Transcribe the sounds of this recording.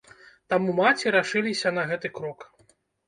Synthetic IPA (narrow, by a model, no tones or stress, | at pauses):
t̪amumat͡sʲiɾaʂɨlʲisʲɐnɐɣɛt̪ɨkɾɔk